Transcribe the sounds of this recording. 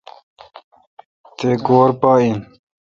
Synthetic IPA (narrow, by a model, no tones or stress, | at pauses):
t̪eɡoːɾpaːin